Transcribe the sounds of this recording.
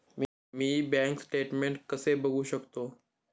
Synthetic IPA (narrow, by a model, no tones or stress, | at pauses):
m | miːbɛ̃ŋksʈeʈmẽɳʈkəsebəɡuɕəkt̪o